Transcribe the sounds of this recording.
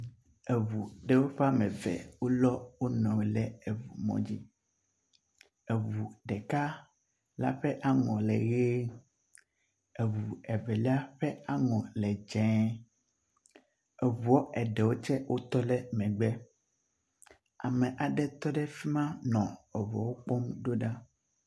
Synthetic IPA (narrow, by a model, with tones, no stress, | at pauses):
ɛ˨vu˨ɖɛ˨wo˦ɸɛ˦a˦mɛ̃˨vɛ̰˨wo˦lɔ˦wo˦nɔ̃˨we˨lɛ˦ɛ˨vu˨mɔ̰̃˦d͡ʑi˦ | ɛ˨vu˨ɖɛ˨ka˦ | la̰˦ɸɛ˦ʔa˦ŋɔ̃˨lɛ˨ɣe˦ | e˨vu˨ɛ˨vɛ˨lɛ˦a˦ɸɛ˦a˦ŋɔ̃˨lɛ˨d͡ʒɛ̃˨˦ | ɛ˨vu˨o˦ʔɛ˨ɖɛ˨wo˦t͡ʃɛ˦wʔo˦t̪ɔ˦lɛ˦mɛ̃˨ɡ͡bɛ˦ | a̰˨mɛ̃˨ʔa˨ɖɛ˦t̪ɔ˦ɖɛ˦fi˦mã˦nɔ̃˨ɛ˨vɔ˨wo˦k͡pɔ˦mɖo˦ɖa˦